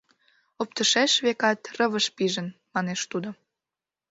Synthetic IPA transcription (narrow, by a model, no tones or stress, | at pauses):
op̚t̪əʃeʃβekɑt̪rəβəʃpiʒənmɑneʃt̪ud̪o